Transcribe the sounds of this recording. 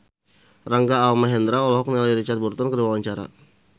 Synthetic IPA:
raŋɡaːlmaɦɛnd̪ɾaɔlɔɦɔk̚nilajɾit͡ʃart̪burt̪ɔnkədiwawaɲt͡ʃaɾa̰

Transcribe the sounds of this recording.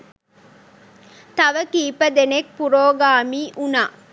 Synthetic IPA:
t̪ɐʋəkiːpəd̪enek̚puɾoːɡaːmiːʔunaː

